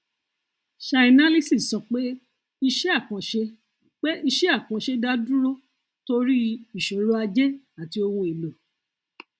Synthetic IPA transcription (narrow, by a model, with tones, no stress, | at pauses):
ʃa˧i˧nã˦li˦si˦˨sɔ˨k͡pe˦ | i˧ʃɛ˦a˦˨kã˨ʃe˧ | k͡pe˦i˧ʃɛ˦a˦˨kã˨˦ʃe˧˦da˦dũ˦ɾo˦ | to˧ɾi˦i˦˨ʃo˨ɾo˦a˧d͡ʒɛ˦ | a˨ti˧o˧wũ˧e˨lo˨